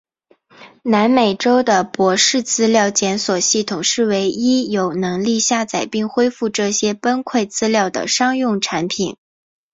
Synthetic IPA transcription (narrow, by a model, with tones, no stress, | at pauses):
na˧˥nme˨˩ɪʈ͡ʂo˥ʊd̪ə˨pwɔ˧˥ʂɻ̩˥˩t͡sɹ̩˥ljɑ˥˩ʊt͡ɕjɛ˧˥nswɔ˨˩ɕi˥˩t̪ʰʊ˨˩ŋʂɻ̩˥˩we˧˥ɪi˥jo˨˩ʊnɤ˧˥ŋli˥˧ɕja˥˩t͡sa˨˩ɪpi˥˩ŋxwe˥ɪfu˥˧ʈ͡ʂɤ˥˩ɕjɛ˥pə˥nkʰwe˥˩ɪt͡sɹ̩˥ljɑ˥˩ʊd̪ə̰˩ʂɑ˥ŋjʊ˥˩ŋʈ͡ʂʰa˧˥npʰi˨˩˦n